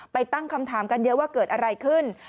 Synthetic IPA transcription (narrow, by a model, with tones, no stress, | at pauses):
pa˧jt̪a˥˩ŋkʰa˧mt̪ʰaː˩˦mka˧njɤ˦˥ʔwaː˥˩kɤː˨˩t̪̚ʔa˧ɾa˧jkʰɯ˥˩n